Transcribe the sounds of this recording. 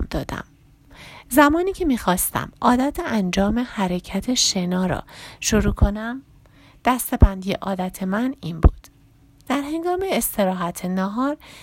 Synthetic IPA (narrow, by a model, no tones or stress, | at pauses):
md̪ɒːd̪̥æ̰m | zæmɒːniːcʰe̞miːxɒːst̪ʰæ̰mʔɒːd̪æt̪ʰeænd͡ʒɒːme̞hæɾecʰæt̪ʰe̞ʃe̞nɒːɾɒ̰ːʃoɾuːkʰo̞næm | d̪̥æst̪e̞bænd̪ijḛʔɒːd̪æt̪ʰe̞mæniːnbṵːd̪̥ | d̪̥æɾɦe̞ŋɡɒːmeːst̪ʰe̞ɾɒːɦæt̪ʰenɒɦɒːɾ